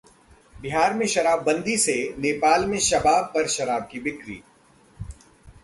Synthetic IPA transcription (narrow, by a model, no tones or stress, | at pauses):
bɪɦaːɾmẽʃɐɾaːbːɐ̃nd̪iseneːpaːlmẽʃɐbaːpɐɾʃɐɾaːb̚kibɪkɾḭː